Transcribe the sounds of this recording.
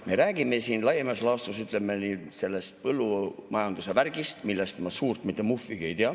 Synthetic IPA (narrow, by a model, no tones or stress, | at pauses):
me̞ɾæːɡ̥ime̞siːnlɑjemɑslɑːst̪usyt̪ˑlemːeniːse̞lːe̞st̪̚pɤlːumɑjɑnd̪use̞værɡ̥ist̪milːest̪mɑsuːrt̪mit̪ːˑemufːiɡ̥e̞jt̪eɑ